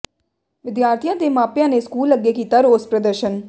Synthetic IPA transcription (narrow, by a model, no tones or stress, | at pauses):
ʋɪd̪jaːɾt̪ʰijãːd̪eːmaːpjãːneːskuːlːəɡːeːkiːt̪aːɾoːzpɾəd̪əɾʃən